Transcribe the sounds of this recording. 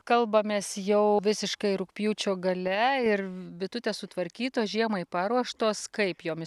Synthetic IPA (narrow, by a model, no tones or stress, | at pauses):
kɐlˠbɐmʲeːsjɛʊʋʲɪsʲɪʃkɐɪɾʊkpʲjuːt͡ʃʲoːɡɐlʲɛɪɾbʲɪt̪ʊt̪ʲeːssʊt̪ʋɐɾʲkʲiːt̪oːʒʲiɛmɐɪpɑːɾuɔʃt̪oːskɐɪpjoːmʲɪ